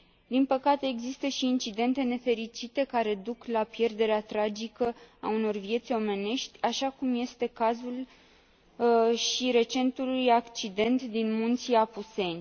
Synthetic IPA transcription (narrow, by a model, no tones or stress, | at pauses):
d̪inpəkat̪e̞ːɡzist̪əʃiːnt͡ʃid̪e̞nt̪e̞ne̞fe̞ɾit͡ʃit̪e̞kaɾe̞d̪uklapje̞rd̪e̞ɾeat̪ɾad͡ʒikəa̰uno̞rvje̞t̪sʲo̞me̞ne̞ʃt̪ʲaʃakumje̞st̪e̞kazul | ʃiɾe̞t͡ʃe̞nt̪ulujakt͡ʃid̪e̞nt̪d̪inmunt̪siapuse̞nʲ